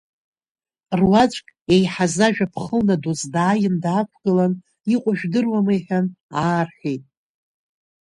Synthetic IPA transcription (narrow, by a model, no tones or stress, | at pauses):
rwat͡ʃʷʼkʲʼejħazaʒᶣapʰχəlnadozdaːjɪndaːkʷʰɡɨlan | iqʷʼʊʒᶣdɨrwamɨjħᶣanaːrħijtʼ